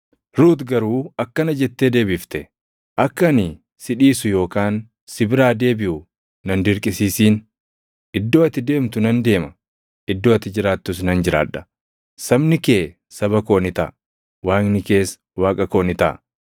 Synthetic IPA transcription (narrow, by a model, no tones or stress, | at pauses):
ɾuːt̪ɡɐɾuːɐkːɐnɐd͡ʒɛt̪ːeːd̪e̞ːbɪft̪ɛ | ʔɐkːɐnɪ | sɪᶑiːsʊjo̞ːkaːn | sɪbɪɾaːd̪e̞ːbɪʔʊ | nɐnd̪ɪɾkʼɪsiːsiːn | ʔɪd̪ːo̞ːɐt̪ːɪd̪e̞ːmt̪ʊnɐnd̪e̞ːmɐ | ʔɪd̪ːoːɐt̪ːɪd͡ʒɪɾaːt̪ːʊs̬nɐnd͡ʒɪɾa̰ːᶑɐ̥ | sɐbnɪke̞ː | sɐbɐko̞ːnɪt̪ɐ̰ʔ | waːŋnɪke̞ːs | waːkʼɐko̞ːnɪt̪ɐ̰